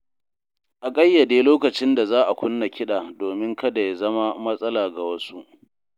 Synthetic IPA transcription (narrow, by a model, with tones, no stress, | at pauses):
ʔa˨kʼɐ˦jːa˨deː˦loː˦kɐ˨t͡ʃɪ˦nda˨zaː˦ʔa˨kʷʊ˦nːa˨kʲɪ˦ɗaː˨doː˨mɪ˦ŋkɐ˦da˨ja˦zɐ˦ma˦mɐ˦sʼɐ˦laː˨ɡa˨wɐ˦su˦ʔ